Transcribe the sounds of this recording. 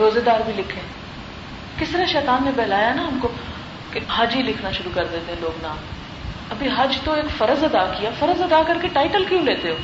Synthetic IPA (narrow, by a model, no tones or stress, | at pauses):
ɾoːzed̪aːɾbʱilɪkʰẽ | kɪsɾaʃɛːt̪aːnːebɛːlaːjanaɦɐmko | keɦɐd͡ʒɦilɪkʰnaʃʊɾukɐɾd̪eːt̪ẽɦɛ̃loːɡnãː | ɐbʱiɦɐd͡ʒt̪oeːkfɐɾəzɐd̪akijafɐɾəzɐd̪akɐɾkeʈaːɪʈəlkjũːleːt̪eɦoː